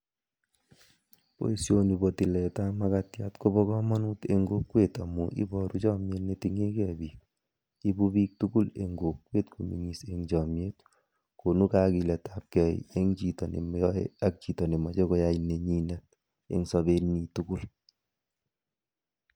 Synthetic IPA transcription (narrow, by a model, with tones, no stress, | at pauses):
po̰˨isjoni˨bo˨ti˨lɛta˦ma˦katja˦tko˦bɔ˦kɔ˦mɔ˦nuːte˨ŋɡo˦kwe˦ta˨muʔḭ˦bɔ˨ɾu˦t͡ʃɔ˦mje˦tnetiŋe˦kɛ˨biː˨k̚ | i˦bubiː˦k̚tuɡu˦leŋɡo˨kwe˦tku˨mḭ˨ŋiseŋt͡ʃɔ˨mje˦t | ko˨nu˦kaki˨lɛ˨tap̚kɛ˨j̰e˦ŋt͡ʃitɔ˨nḛ˨mɔ˦ḛ˦a˦k̚t͡ʃi˨tɔ˨ne˨ma˨t͡ʃe˦kɔ˦ja˦ine˨ɲi˦nat̚ | ḛ˨ŋsɔ˦be˦ni˨tu˦ɡu˦l